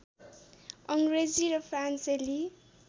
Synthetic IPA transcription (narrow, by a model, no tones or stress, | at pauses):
ʌŋɡred͡ziɾʌpʰranseli